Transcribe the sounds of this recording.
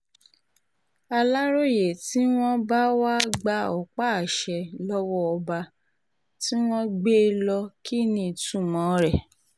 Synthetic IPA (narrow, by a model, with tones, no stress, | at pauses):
a˧la˦ɾo˦˨je˨ti˦w̃ɔ̃˦ba˦wa˦ɡ͡ba˧ɔ˨k͡pa˦˨ʃɛ˨˧lɔ˦wɔ˦ɔ˧ba˧ | ti˦w̃ɔ̃˦ɡ͡be˦lɔ˧ki˦˨nĩ˧˨tũ˦˨mɔ̃˨˦ɾɛ˦˨